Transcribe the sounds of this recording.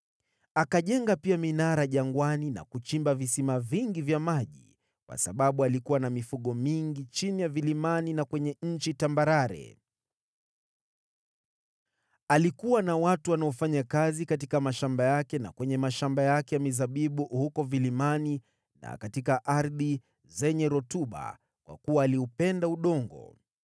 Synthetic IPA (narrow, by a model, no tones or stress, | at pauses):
akaʄɛŋɡapiaminaɾaʄaŋɡwanina̰kut͡ʃimbavisimaviŋɡivjamaʄḭ | kwa̰saɓaɓualikuwanamifuɠɔmiŋɡit͡ʃinijavilimaninakwɛɲɛɲ̩t͡ʃitambaɾaɾɛ̰ | alikuwanawatuwanaɔfaɲakazikatikamaʃambajakɛna̰kwɛɲɛmaʃambajakɛjamizaɓiɓuhukɔvilimani | na̰katikaʔaɾði | zɛɲɛɾɔtuɓa̰ | kwʔa̰kuwaːliupɛndauɗɔŋɡɔ̰